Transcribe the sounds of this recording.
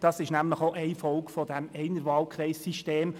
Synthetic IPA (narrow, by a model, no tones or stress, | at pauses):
d̥ɑsɪʃnæmləχoʔɛɪfɔlkfɔdæmɛɪnəɾʋɑːlkʰʁɾɛɪsːiʃteːm